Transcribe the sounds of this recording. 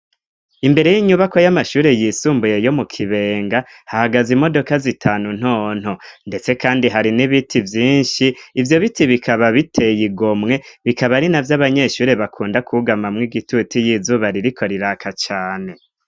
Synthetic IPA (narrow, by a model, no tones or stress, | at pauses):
imbe̞ɾe̞jiɲuβako̞jamaʃuːɾe̞jiːsuːmbuje̞jo̞mukʰiβe̞ːŋɡa | hahaɡazimo̞do̞kazitʰaːnun̥oːn̥honde̞t͡se̞kaːndiɦaɾiniβitʰivjiːnʃiːvjo̞βitiβikʰaβaβitʰe̞jiɡo̞mŋe̞βikaβaɾinavjaβaɲe̞ʃuːɾe̞βakʰuːndakʰuɡamamŋiɡitutijizuβaɾiɾikʰo̞ɾiɾakʰat͡ʃaːne̞